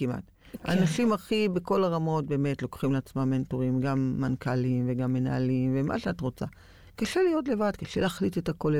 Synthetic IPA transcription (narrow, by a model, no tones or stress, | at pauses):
imʔa̰t | a̰ːnaʃimaχibeko̞laʁamo̞t̚be̞ːme̞tlo̞kχimleat͡smamːentoʁimɡamːankalimveɡamːe̞na̰alimvemʔa̰ʃeatʁo̞t͡sa̰ | kaʃelijo̞tle̞vadkaʃḛleaχlitetako̞le